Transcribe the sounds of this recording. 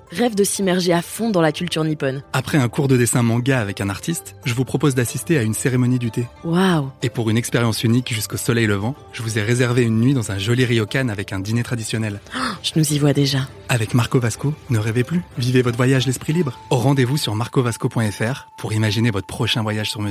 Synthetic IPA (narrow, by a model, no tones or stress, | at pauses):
ʁɛvd̪əsimɛʁʒeafɔ̃d̪ɑ̃lakʲylt̪yʁnipɔnapχɛɛ̃kuʁd̪əd̪esɛ̃mɑ̃ɡaːvɛkɛ̃naʁt̪ist̪ʒəvupχɔpozd̪asist̪eaynseʁemɔnid̪yt̪ewawepuʁynɛkspeʁjɑ̃synikʒyskosɔlɛjləvɑ̃ | ʒ̥əvuzɛʁezɛʁveynːɥid̪ɑ̃zɛ̃ʒɔliʁijɔkanavɛkɛ̃d̪inet̪χad̪isjɔnɛlʒ̥ənuzivwad̪eʒa | avɛkmaʁkovaskonəʁeveplyvivevɔt̪χvwajaʒlɛspχilibʁʁɑ̃d̪evusyʁmaʁkovaskopwɛ̃ɛfɛʁpʰuʁimaʒinevɔt̪χəpχɔʃɛ̃vwajaʒsyʁmə